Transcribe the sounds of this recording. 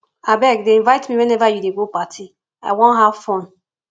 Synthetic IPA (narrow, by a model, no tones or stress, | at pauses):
abɛkdeĩɱvaɪtmiwɛnɛvajudeɡopatʰi | a̰ɪwɔ̃nɦavfɔ̃n